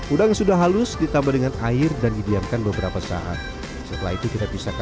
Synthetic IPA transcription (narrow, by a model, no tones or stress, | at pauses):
ʔudaŋsudaɦalʊsdit̪ambadəŋanaɪrdandidiarkanbəbəɾapasa̰ʔa̰t̪̚ | sət̪əla̰ɦit̪ukit̪abisak